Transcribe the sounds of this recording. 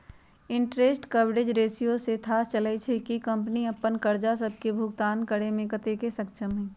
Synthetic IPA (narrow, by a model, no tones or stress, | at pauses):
ɪ̃ɳʈɾeːsʈkəbɽed͡ʒɾeːsijoset̪ʰaːst͡ʃələit͡ʃʰekikə̃mpniɐpːənkəɾd͡ʒasəb̚kebʱʊɡt̪aːnkəɽemẽkət̪ekesɐkʃʰəmɦɛ̃ː